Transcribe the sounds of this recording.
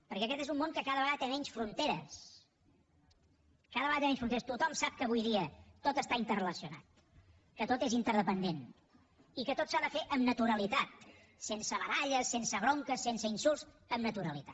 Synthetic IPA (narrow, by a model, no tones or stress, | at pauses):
pəɾkɛəkɛt̪ezumːoŋkəkaðəβəɣaðət̪emɛɲsfɾunt̪eɾəs | kaðəβəɣat̪emɛɲsfɾuneəst̪ut̪ɔmsap̚kəːβujðiət̪ot̪əst̪aint̪ərələsiuna̰t̪̚ | kət̪ot̪ezint̪əɾðəpənd̪en | ikət̪ot̪saðəfeʔəmnət̪uɾəlit̪at̪ | sensəβəðaʎəsːensəβɾoŋkəsːensəinsulˠs | əmnət̪uɾəlit̪a